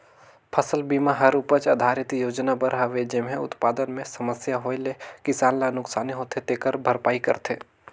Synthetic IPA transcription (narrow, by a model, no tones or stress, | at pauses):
pʰɐsəlbiːmaɦɐɾupət͡ʃɐd̪ʱaːɾɪt̪joːd͡ʒnabɐɾɦaʋed͡ʒɪmɦẽʊ̰t̪paːd̪ənmẽsɐməsjaɦoːelekɪsaːnlanʊksaːniɦot̪ʰet̪ekəɾbʱɐɾpaːikɐ̰ɾt̪ʰḛː